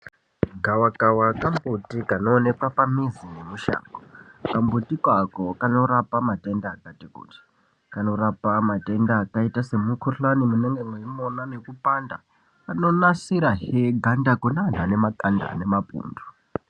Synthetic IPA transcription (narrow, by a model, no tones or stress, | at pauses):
ɡʱawakawakambutikano̞ːne̞kwapamizinemuʃa̰ːŋɡokambutikwakokano̞ɾapamate̞ndaːkatikṵti̥ | kano̞rapamate̞ndaːkaitase̞mukʰoɬanimuneŋɡeŋeimonane̞kupanda | kano̞nasiɾaɦeɡʱandakonanane̞makanda̰ne̞mapṵːndu̥